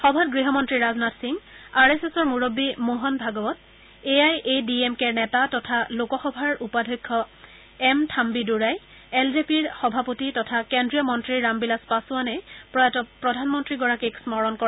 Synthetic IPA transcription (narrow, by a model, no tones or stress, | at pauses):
xɔbʱatɡɹiɦɔmɔntɹiɹazɔnatsiŋaɹesesɔɹmuɹobːimoɦɔnbʱaɡɔbɔt | eajediemkɛɹnɛtatɔtʰalokɔxɔbʱaɹupadʱɔjkʰːɔ | ɛmtʰambiduɹaj | ɛlzepiɹxɔbʱapotitɔtʰakendɹijɔmɔntɹiɹːambilaspasuanɛpɹɔjatɔpɹɔdʱanmɔntɹiɡɔɹakeksmɔɹɔnkɔ